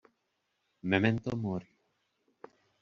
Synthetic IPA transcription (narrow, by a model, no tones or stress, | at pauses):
mement̪omoɾi